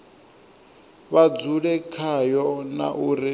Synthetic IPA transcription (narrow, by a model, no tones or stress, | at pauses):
βad͡zuɺɛkʰajɔna̰ʔuɾi